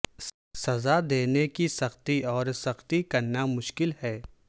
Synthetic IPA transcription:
sɐzad̪eːnekisɐxt̪iɔːɾsɐxt̪ikɐɾnamʊʃkɪlhɛː

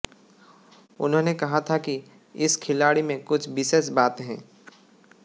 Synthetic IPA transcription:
ʊ̰nɦõːnekɐɦat̪ʰaki | ɪskʰɪlaːɽimẽkʊt͡ʃʰbɪʃesbaːt̪ɦɛ̰̃ː

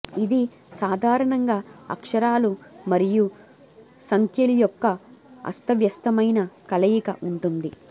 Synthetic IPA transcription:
id̪i | saːd̪ʱaːɾɐɳɐŋɡaːɐ̰kʂɐɾaːlumɐɾiju | sɐŋkʰjɐlujɔkːɐɐ̰st̪ɐʋjɐst̪ɐmɐjnɐkɐlɐjikɐʔuɳʈund̪i

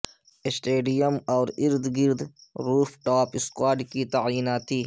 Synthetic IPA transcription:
ɪsʈeːɖijəmɔːɾɪɾd̪ɡɪɾd̪ɾuːfʈaːpɪskwaːɾɖkit̪aʕjiːnaːt̪iː

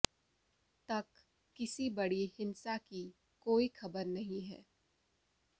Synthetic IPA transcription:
t̪ɐkː | ɪsibɐɽihɪnsaki | koːixʰɐbəɾnɐɦĩɦɛ̰ː

